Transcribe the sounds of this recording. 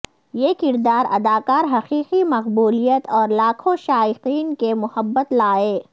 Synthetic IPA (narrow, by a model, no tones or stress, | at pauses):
jeːkɪɾd̪aːɾɐ̰d̪aːkaːɾɦɐqiːqimɐqbuːlijət̪ɔːɾlaːkʰõʃaːɪqiːnkemʊhəbːət̪laːeː